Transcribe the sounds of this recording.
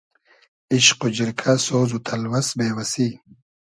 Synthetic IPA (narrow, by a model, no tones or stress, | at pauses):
iɕqʊd͡ʑiɾkʰasoːzut̪ʰɐlwɐsbeːwɐsiː